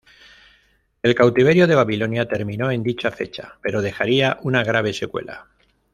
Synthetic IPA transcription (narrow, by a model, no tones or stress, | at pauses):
e̞lkawt̪iβe̞ɾjoð̞e̞β̞aβilo̞njat̪e̞ɾmĩno̞e̞nd̪it͡ʃafe̞̰t͡ʃa̰pe̞ɾo̞ð̞e̞xaɾiaʔunaɣ̞ɾaβ̞e̞se̞kwe̞̰la̰